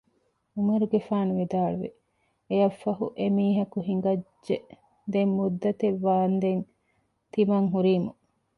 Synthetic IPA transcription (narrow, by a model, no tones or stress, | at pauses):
umɐɾuɡefaːnuʋid̪aːɭuʋe | ejɐfːɐɦuʔemiːɦɐkuɦiŋɡɐd͡ʒʒe | d̪emːud̪ːɐt̪eʋːaːnd̪en | t̪imɐŋɦuɾiːmu